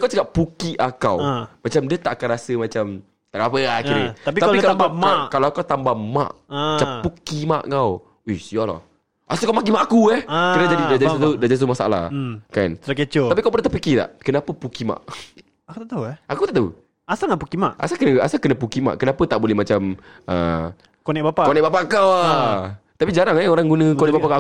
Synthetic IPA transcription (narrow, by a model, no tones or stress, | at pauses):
kawt͡ʃakaʔpukiʔakawmat͡ʃamdiat̪aʔakanɾasəmat͡ʃam | t̪adaapəaiɾəapik̪apikalaamakalawakawt̪ambama̰ʔat͡ʃapukima̰ʔŋaw | usijɔla̰ | ʔasakawmak̬imaʔakuɛhəɾanad͡ʒadidad͡ʒadisat̪udaʔd͡ʒadist̪umasaa̰la̰hkant̪əɾakət͡ʃoapikawpəndat̪əpikit̪a̰ʔkənapəpukima̰ʔ | akut̪aʔt̪auʔakut̪aʔt̪aṵ | asaŋaʔpukimaʔʔa̰sakənaasakənapukima̰ʔkənapət̪aʔbolɛhmat͡ʃamə̰ | konɛk̚bapakonɛʔ̚bapaʔkawat̪apid͡ʒaɾaŋɛoɾaŋɡunə̃konɛʔbapaka